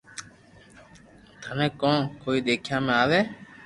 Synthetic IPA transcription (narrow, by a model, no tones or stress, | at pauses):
d̪ʱənẽːkõːkoːiːɗ̪eːkʰjãːmẽaːʋeː